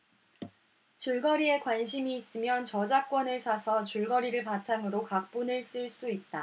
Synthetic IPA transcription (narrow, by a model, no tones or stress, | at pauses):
t͡ɕɯɭɡʌɾie̞kwanɕʰimiːs͈ɯmjʌnt͡ɕʌd͡ʑak̚k͈wʌnɯɭsʰasʰʌt͡ɕuɭɡʌɾiɾɯɭpatʰaŋɯɾokak̚p͈unɯɭs͈ɯɭs͈uit̚t͈a